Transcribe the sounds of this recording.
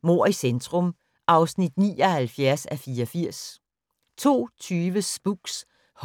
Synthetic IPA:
mo̝ɐ̰isend̥ʰʁɔ̽m | ʔɑ̈ʊsnid̥nḭːɒhælfjæɐsæfiːɒfiɐ̰s | t͡sʰo̝̰ːt͡sʰyːʋəsb̥uɡ̥s | h

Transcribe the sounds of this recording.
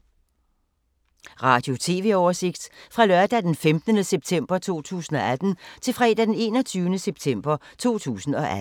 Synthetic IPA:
ʁɑ̰̈ːd̥jo̝t͡sʰe̝̰ːʋe̝ːɒːɐse̝ɡ̥d̥fʁɑ̈lɶɐd̥æd̥enfemd̥ənəseb̥̚t͡sʰem̰b̥ɐt͡sʰo̝̰ːt͡sʰṵːsn̩ɒ̽æd̥n̩t͡sʰe̝lfʁɛ̰ːd̥æd̥ene̝̰ːnɒ̽t͡sʰyːʊnəseb̥̚t͡sʰem̰b̥ɐt͡sʰo̝̰ːt͡sʰṵːsn̩ɒ̽ʔæ

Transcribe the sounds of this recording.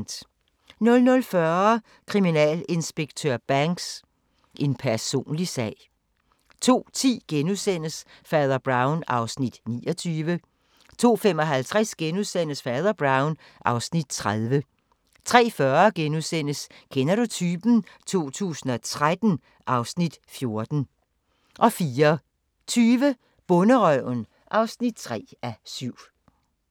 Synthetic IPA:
d̥ | nɔ̽lnɔ̽lfɶɐ | kʰʁiminɛ̰le̝nsb̥eɡ̥̚t͡sʰøɐb̥æŋɡ̥s | ʔe̝npʰæɐso̝̰ːnlisɛ̰ːɪ̰ | t͡sʰo̝̰ːt͡sʰḭːɡ̥enuðˠsen̰əsfɑðˠɐb̥ʁɑ̈ʊnɑ̈ʊsnid̥nḭːɒt͡sʰyːʋə | t͡sʰo̝̰ːfem̰ɒ̽ɦælt͡sʰʁɛsɡ̥enuðˠsen̰əsfɑðˠɐb̥ʁɑ̈ʊn | ʔɑ̈ʊsnid̥̚t͡sʰʁaðˠʋə | t͡sʰʁɛ̰ːfɶɐɡ̥enuðˠsen̰əskʰenɐɾut͡sʰyːb̥n̩t͡sʰo̝̰ːt͡sʰṵːsn̩ɒ̽t͡sʰʁad̥n̩ | ʔɑ̈ʊsnid̥fjo̝ɐd̥n̩ | ʔɒ̽fiːɐ | t͡sʰyːʋə | b̥ɔ̽nəʁœʊ̰n | ʔɑ̈ʊsnid̥̚t͡sʰʁɛ̰ːæsyʊ̰

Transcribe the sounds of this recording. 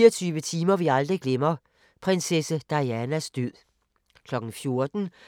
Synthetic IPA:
iɐt͡sʰyːʋət͡sʰiːmɐʋiɑ̈ld̥ʁiɡ̥lemɐ | pʰʁensesəd̥ɑ̈ɪænæsd̥øð̰ˠ | kʰlɒ̽ɡ̥n̩fjo̝ɐd̥n̩

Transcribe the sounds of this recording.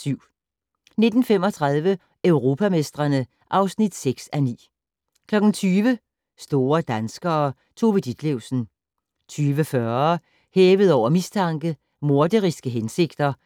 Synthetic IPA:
syʊ̰ | ne̝d̥n̩femɒ̽t͡sʰʁɑð̞ˠʋə | øʊʁo̝ːpʰæme̝sd̥ʁɐnə | ʔɑ̈ʊsnid̥seɡ̥sænḭː | kʰlɒ̽ɡ̥n̩t͡sʰyːʋə | sd̥o̝ːɐd̥ænsɡ̥ɐː | t͡sʰo̝bəd̥id̥leʊ̰sn̩ | t͡sʰyːʋəfɶɐ | heːʋəð̞̩ˠɒʊ̰ɐmist͡sʰɑ̈ŋɡ̥ə | mo̝ɐd̥əʁisɡ̥əɦense̝ɡ̥d̥ɐ

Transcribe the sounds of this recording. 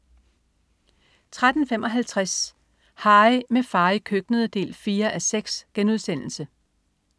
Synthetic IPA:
t͡sʰʁad̥n̩fem̰ʔɒ̽ɦælt͡sʰʁas | hɑ̈ːɪmefɑ̈ɪkʰøɡ̥nəð̞̩ˠəd̥e̝̰ːlfiːɐʔæseɡ̥sɡ̥enuð̞ˠsen̰l̩sə

